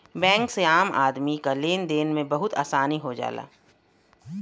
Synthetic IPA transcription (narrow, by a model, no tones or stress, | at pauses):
bɛ̃ːŋkseaːmʔa̰ːd̪mikaleːnd̪eːnmẽbɐɦʊt̪a̰ːsaːniɦod͡ʒa̰ːla̰ː